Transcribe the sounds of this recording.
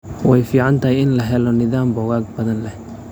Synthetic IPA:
wɛjfiːʕant̪ʰɐɦɪjɪnlɐɦɛlɔnɪðaːmbɔɣaːɡ̚bɐðɐnlɛh

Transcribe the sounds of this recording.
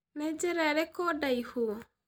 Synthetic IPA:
nɛd͡ʒɛɾaɾekɔdaihuɔ

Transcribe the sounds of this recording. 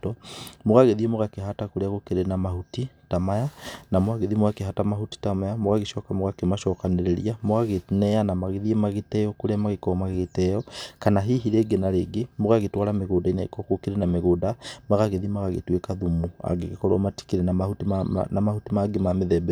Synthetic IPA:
tɔmoɣaɣeðiemoɣakeɦatakoɾeaɣokeɾenamahutitamajanamwaɣeðimoɣakeɦatamaɦuti̥tamajamoɣaɣeʃɔkamoɣakemaʃɔkaneɾeɾiamoɣaɣenɛanamaɣeðiemaɣetɛjɔkoɾeamaɣekɔmaɣeɣetɛjɔkanaɦiɦiɾeːɡenaɾeɡemoɣaɣetwaɾameɣoːdainaḭkɔkokeɾenameɣoːdamaɣaɣeðiemaɣaɣḛtwekaðumua̰ɡeɣekɔɾɔmati̥kiɾenamahutinamahutimaɡemameðɛbɛ

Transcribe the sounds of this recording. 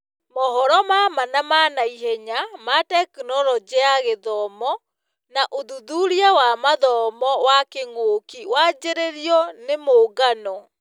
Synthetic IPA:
mɔɦɔɾɔmamanamanaiɦɛɲamatɛkunɔɾɔd͡ʑeaɣeðɔmɔ | naʔoðuðuɾiawamaðɔmɔwakeŋoːkiwad͡ʑeɾeɾiɔnemoɡanɔ

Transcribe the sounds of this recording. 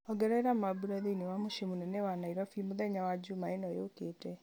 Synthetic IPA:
ɔɡɛɾɛɾamabuɾaðeinewamoʃemonɛnɛwanaiɾɔfimoðɛɲawad͡ʒumaenɔjokeːtɛ

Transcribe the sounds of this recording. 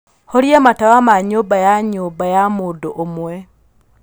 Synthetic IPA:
hɔɾjamatawamaɲobajaɲoːbajamodoʔomwɛ

